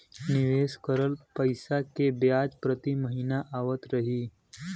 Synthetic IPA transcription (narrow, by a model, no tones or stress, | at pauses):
nɪʋeːskəɾəlpəɪsakebjaːd͡ʒpɾət̪iməɦiːnaʔaːʋət̪ɾəɦiː